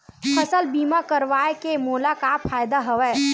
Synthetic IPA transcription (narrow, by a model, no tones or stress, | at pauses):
fʰɐsəlbiːmakəɾʋaːekemoːlakafʰaːjd̪aɦɐʋɛː